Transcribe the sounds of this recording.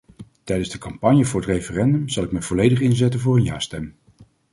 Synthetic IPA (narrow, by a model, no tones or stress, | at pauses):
tɛjdənzdəkɑmpɑɲjəvʊːɹətrejfərɛndɵmzɑlˠɪk̚mɛvɔlejdəχɪnzɛtənvʊːrənjaːɹstɛm